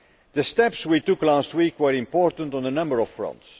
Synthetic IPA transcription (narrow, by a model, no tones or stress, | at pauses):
ðəstɛpswitʊklast̚wikwəɹɪ̃mpɔːɹtə̃n̩tn̩ðənʌ̃mbəɹɔfːɹʌ̰̃nts